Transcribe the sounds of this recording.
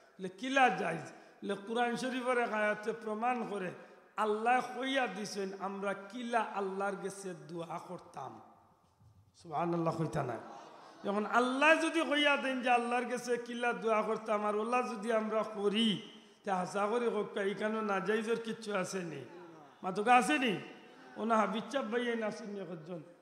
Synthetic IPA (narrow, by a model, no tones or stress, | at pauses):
elekilad͡ʒajz | lequɾanʃɔɾibɔɾekajat̪epɾɔmankɔɾe | alːaexojad̪isɔjnamɾakilaʔalːaɾɡesed̪uakɔɾt̪a̰m | subhanalːaxojt̪ʰana̰jtɔkɔnalːajzod̪ixojad̪ejnd͡ʒealːaɾɡɛsekilad̪uakɔɾt̪amaɾɔlːazod̪iamɾakoɾi | t̪eɦasakoɾikok̚kaikʰanonad͡ʒajzɔɾkitːʃʰuasenḭ | mat̪ɔkaas̬eni | ɔ̰naɦabit͡ʃʃabajajnasunːikɔd͡ʒɔn